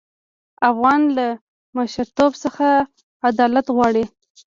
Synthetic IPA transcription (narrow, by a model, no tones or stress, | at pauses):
afɣɑnla | maʃaɾt̪obsəxa | ad̪ɑlat̪ɣwɑɽi